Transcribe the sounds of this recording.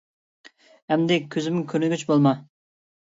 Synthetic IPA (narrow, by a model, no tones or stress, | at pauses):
hɛmd̪ɪkʲʰøzɪmɪŋkʲʰøɾnɪɡʲyt͡ʃbolˠmɑ